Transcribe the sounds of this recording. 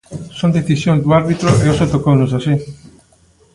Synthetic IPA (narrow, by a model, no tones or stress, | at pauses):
sond̪eθisjond̪uaɾβit̪ɾoʔeosot̪okonusasi